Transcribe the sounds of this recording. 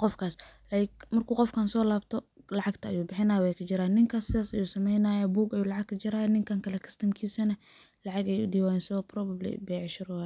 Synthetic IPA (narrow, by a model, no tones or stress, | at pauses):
qɔfkʰaːslajɪkmɐrkʰuːqɔfkʰaːnsɔːlaːbt̪ʰɔlɐʕɑɡt̪ʰɐɐjuːbɪħɪnaːjwɛjkʰɐt͡ʃɪɾaːjnɪŋkʰaːsːɪðaːsɐjuːsɐmɛjnaːjɐbuːɡɐjuːlɑʕɑɡ̚kʰɐt͡ʃɪɾaːjɐnɪŋkʰaːŋkʰɐlɛkʰɪ̥st̪ʰɐmkʰiːsɐnɐ | lɑʕɑɡɛjudiwaːjɛːnsɪðɔːprɔbɐblɪ̰bɛʕʃɪɾʊwa